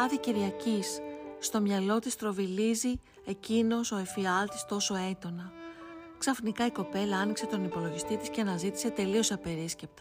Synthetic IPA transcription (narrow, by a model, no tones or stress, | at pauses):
ɐðiciɾʝɐcisːt̪o̞mɲɐlo̞t̪ist̪ɾo̞vilizi | e̞cino̞so̞efiɐlt̪i̥st̪o̞so̞e̞d̪o̞nɐksɐfnikɐiko̞pe̞lɐɐnikse̞t̪o̞nipo̞lo̞ʝist̪it̪isceɐnɐzit̪i̥se̞t̪e̞lio̞sɐpe̞ɾisce̞p̚t̪ɐ